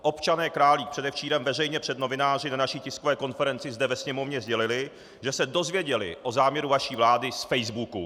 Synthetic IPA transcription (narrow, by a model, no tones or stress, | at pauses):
ʔo̞pt͡ʃanɛːkɾaːliːk̚pr̝ɛdɛft͡ʃiːɾɛmvɛr̝ɛjɲɛpr̥ɛdno̞vɪnaːr̝ɪnanaʃiːcɪskovɛːko̞nfɛɾɛnt͡sɪzdɛvɛsɲɛmo̞vɲɛzɟɛlɪlɪ | ʒɛsɛdo̞zvjɛɟɛlɪ̰ʔo̞zaːmɲɛɾuvaʃiːvlaːdɪsfɛjzbukṵ